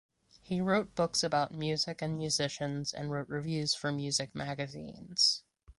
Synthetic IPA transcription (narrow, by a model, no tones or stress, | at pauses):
hiɹoʊt̚b̥ʊksɨbaʊt̚mjʉzɨkɨ̃nmjʉzɪʃɨ̃nz̥ɨ̰̃nɹoʊʔ̚ɹivjʉz̥fə˞mjʉzɨk̚mæɡɨzḭ̃nz̥